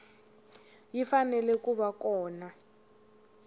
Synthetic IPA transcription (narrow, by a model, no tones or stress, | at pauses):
jifanɛlɛkuβakɔːna